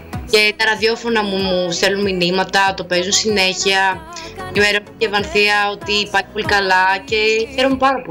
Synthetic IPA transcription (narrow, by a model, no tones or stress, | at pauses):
ce̞t̪ɐɾɐðjo̞fo̞nɐmumusθe̞lunminimɐt̪ɐt̪o̞pe̞zunsine̞çiɐnimeɾo̞ncevɐnθiɐo̞t̪ipɐçi̥po̞likɐlɐce̞çeɾo̞mepɐɾɐpo